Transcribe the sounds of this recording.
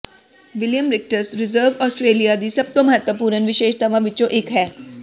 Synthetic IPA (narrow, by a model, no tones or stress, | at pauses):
ʋɪljəmɾɪk̚ʈəɾsɾɪzəːɾʋɔːsʈɾeːlijad̪iːsɐb̚t̪õmɐɦət̪wəpuːɾənʋɪʃeːʃt̪ɐʋãʋɪt͡ʃõʔɪkɦɛː